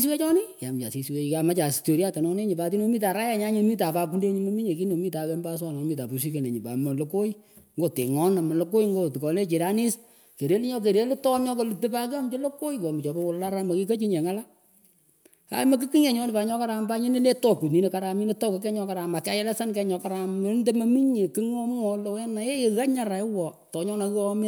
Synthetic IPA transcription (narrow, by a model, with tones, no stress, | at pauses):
swe˦t͡ʃɔ˦nɪ˦ja˨mt͡ʃa̰˨si˨swe˨ka˨ma˦t͡ʃa˨sto˨ɾja˦ta˨nɔ˦ne˦ɲɪ˨pa˨ti˦no˨˦mi˦ta˨ɾa˦ja˦ɲa˦ɲɪ˦mi˦ta˨pa˨k̬u˦nde˦ɲi˦mo˦mi˦ɲe˨k̬i˦no˨mi˦ta˨kɛ˦mba˦s̬wa˦˨n˨mi˦ta˨pu˨s̬i˦ke˨ne˨ɲi˨pa̰˨mo˨lo˦ko˦j | ŋɡo˦˨te˨ŋɔ˦na˨ma˨lo˦ko˦jŋɡo˦tkɔ˨le˦t͡ʃɪ˨ɾa˦ni˦s | ke˨ɾe˦li˦ɲɔ˦k̬e˨ɾe˦li˦tɔ˦mɔ˦kɔ˦lɪ˨ti˦pa˦ka˦m˦t͡ʃo˦lo˦ko˦jkɔ˨mi˨t͡ʃɔ˨bɛ˦wʊ˨la˦ɾa˦mo˨ki˦ko˦t͡ʃi˦ɲe˨ŋa˦la˦ | ka̰˨˦mo˦k̬ɨ˦ki˦ŋe˨ɲɔ˦nɪ˨pa˨ɲɔ˦ka˦ɾa˨mpa˦ɲi˦ne˦le˦tɔ˦˨ku˨tni˨˦ne˨ka˦ɾa˨mi˦ne˦tɔ˦ko˨kɛ˦ɲɔ˦ka˨ɾa˨ma˨ka˦jɛ˦lɛ˦sa˦nkɛ˦ɲɔ˧ka˦ɾa˨m˦nde˦ma˦mi˦ɲe˨ki˦ŋɔ˦mŋɔ˦lo˨wɛ˦na˨e˦e˨ɣa˦ɲa˨ɾa˨ɪ˦wɔ˨ | tɔ˨ɲɔ˦na˨kɨ˦ɔ˦mɪ˦